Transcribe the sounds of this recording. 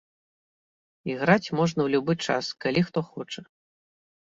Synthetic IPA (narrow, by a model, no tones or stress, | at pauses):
iɣɾat͡sʲmɔʐnɐwlʲubɨt͡ʂa̰skalʲixt̪ɔxɔt͡ʂɐ